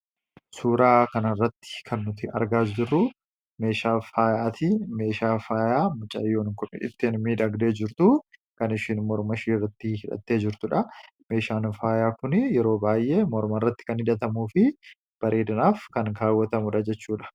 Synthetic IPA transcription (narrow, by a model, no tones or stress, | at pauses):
suːɾaːkɐnɐrːɐt̪ːɪ̥kʰɐnːʊt̪ɪɐ̰ɾɡaːsd͡ʒɪrːʊ | me̞ːʃaːfaːjaːt̪ɪme̞ːʃaːfaːjaːmʊt͡ʃʼɐ̰jːoːnɪŋkʊn̰ᶑɪ̰t̪ːeːnmiːᶑɐɡd̪eːd͡ʒɪɾt̪ʊkɐnɪʃɪnmɔɾmɐʃiːrːɐt̪ːɪhɪᶑɐ̰t̪ːe̞ːd͡ʒɪɾt̪ʊᶑɐ | me̞ːʃaːnfaːjaːkʊnɪjɛɾo̞ːbaːjʔeːmɔɾmɐrːɐt̪ːɪ̥kɐnhɪᶑ̪ɐt̪ɐmuːfɪ | b̥ɐɾʔeːd̪ɐnaːfkɐŋkaːwːɐt̪ɐmʊᶑɐd͡ʒɛt͡ʃːuːᶑɐ̥